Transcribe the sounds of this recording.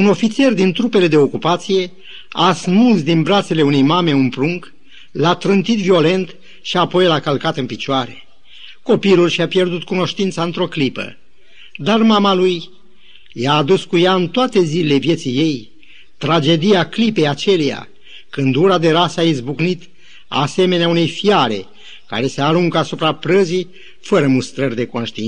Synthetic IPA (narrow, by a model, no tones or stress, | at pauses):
uno̞fit̪se̞rd̪int̪ɾupe̞le̞d̪e̞o̞kupat̪sije̞ | asmusd̪inbɾat̪se̞le̞unejmame̞umpɾuŋk | lat̪ɾɨnt̪it̪vio̞le̞nt̪ | ʃiapo̞jlakəlkat̪ɨnpit͡ʃoaɾe̞ | ko̞pilulʃiapje̞rd̪ut̪kuno̞ʃt̪int̪saɨnt̪ɾo̞klipə̰ | d̪armamaluj | jaːd̪uskujaɨnt̪oat̪e̞zilele̞vje̞t̪sijːe̞j | t̪ɾad͡ʒe̞d̪iaklipe̞jat͡ʃe̞leja̰ | kɨnd̪uɾad̪e̞ɾasəaizbuknit̪ | a̰se̞me̞neaune̞jfiaɾe̞̰ | ka̰ɾe̞seaɾuŋkasupɾapɾəzi | fəɾəmust̪ɾərʲd̪e̞ko̞nʃt̪iin